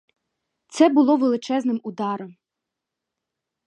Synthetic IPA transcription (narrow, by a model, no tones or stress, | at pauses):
t̪sɛbʊlˠɔʋelˠɪt͡ʃɛznɪmʊd̪ɑɾɔm